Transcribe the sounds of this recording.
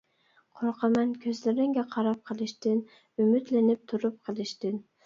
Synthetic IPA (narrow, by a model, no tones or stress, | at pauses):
qʰoɾqʰɑmɛnkʲʰøzlɪɾɪŋɡʲɛqʰɑɾɑp̚qʰəlˠɨʃt̪ɪn | ymɪt̪lɪnɪp̚t̪ʰuɾup̚qʰəlˠɪʃt̪ɪn